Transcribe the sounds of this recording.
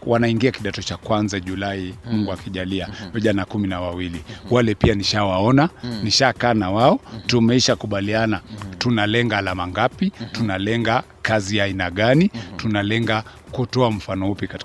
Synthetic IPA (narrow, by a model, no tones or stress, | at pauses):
wʔanaiŋɡiakiɗatɔt͡ʃakwanzaʄulaimuŋɡuakiʄaliaviʄanakuminawawiliwalɛpianiʃawaɔnaniʃakanawaɔtumɛiʃakuɓalianatunalɛŋɡaːlamaŋɡapitunalɛŋɡa | kazijaːinaɠanitunalɛŋɡa | kutɔam̩fanɔupikat